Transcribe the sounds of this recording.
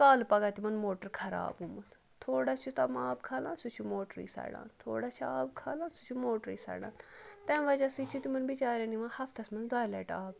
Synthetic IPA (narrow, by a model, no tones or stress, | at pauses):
kaːlpɐɡaːt̪imɐnmoːʈəɾkʰɐɾa̰ːbumɐt̪ʰ | t̪ʰoːɽaːt͡ʃʰut̪ɐmaːb̚kʰaːlãːnsut͡ʃʰumoːʈɾḭːsa̰ːɽã̰ːnt̪ʰoːɽaːt͡ʃʰuaːp̚kʰaːlãːnsut͡ʃʰumoːʈɾḭːsɐ̰ːɽa̰ːnt̪ɛ̃ːʋɐd͡ʒaːsit͡ʃʰut̪imɐnbɪt͡ʃaːɾãːniʋãːhɐfʰt̪ʰɐsmɐnzd̪aːlɛ̰ːʈaːb̚